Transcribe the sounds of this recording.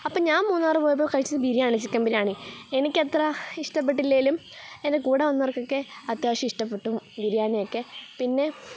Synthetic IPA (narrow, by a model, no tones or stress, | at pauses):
ɐpːoːɲaːnmuːnːaːrɨpoːjɐp̬ːoːkɐɻit͡ɕːɐðɨbʱiɾijaːɳit͡ɕːikʲːaːmbiɾaːɳienikʲːet̪rɐiʂʈɐp̬ːeʈ̬ːilːejilumende̞kuːɽɐʋɐnːɐrɐkːokːeɐt̪jaːɕɐmiʂʈɐpːe̞ʈːumbʱiɾijaːɳijokːe̞pinːe̞